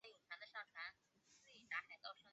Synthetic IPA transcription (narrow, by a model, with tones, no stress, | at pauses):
jo˨˩ʈ͡ʂʰa˧˥nd̪ə˧ʂɑ˥˩ŋʈ͡ʂʰwa˧˥n | s̩˥˩i˨˩na˧˥xa˧˥ɪk̪ɑ˥˧ʊʂɤ˥ŋ